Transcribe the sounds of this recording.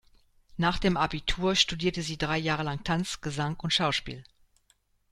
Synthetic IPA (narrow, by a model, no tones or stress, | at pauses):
naːχd̥eːmʔabitʰuːɐʃtudiːɐtəziːdʁaɪjaːʁ̞əlaŋtʰant͡sɡ̥əzaŋʔʊntʃaʊʃpḭːl